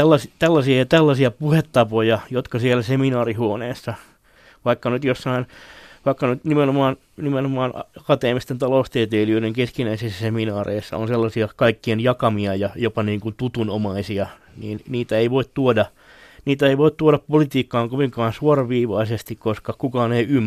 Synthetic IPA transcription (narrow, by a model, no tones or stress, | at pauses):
t̪ælːɑst̪ælːɑsiɑt̪ælːɑsiɑpuhet̪ːɑpojɑjot̪kɑsielæseminɑːrihuoneːsːɑ | ʋɑikːɑnyt̪josːɑinʋɑikːɑnyt̪nimenomɑːn | nimenomɑːnɑkɑt̪eːmist̪ent̪ɑloust̪eːt̪eːliøiɾeŋkeskinæisisːæseminɑːrḛisːɑ̰o̰nselːɑsiɑkɑikːienjɑkɑmiɑjɑjopɑniːŋkunt̪ut̪unomɑisiɑ | niːnniːt̪æeiʋoit̪t̪uodɑ | niːt̪æeiʋoit̪t̪uoɾɑppolit̪iːkːɑːŋkoʋiŋkɑːnsuorɑʋiːʋɑisest̪ikkoskɑkukɑːneiymː